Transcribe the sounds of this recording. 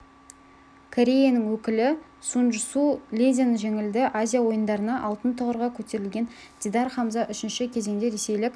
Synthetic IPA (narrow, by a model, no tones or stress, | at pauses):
kʰoɾʲe̞janəŋwɵkʲɪlɪ | sunʒəsulʲed̪ʲenʒe̞ŋɪld̪ɪʔazʲijawo̞jənd̪ɑɾənɑʔɑlˠt̪ənt̪ʰəʁəɾʁɑkʲʰɵt̪e̞ɾɪlɡʲe̞n | d̪ʲid̪ɑɾχɑmzɑʔʏʃɪnʃɪkʲʰe̞ze̞ŋd̪e̞ɾe̞se̞jlɪkʲ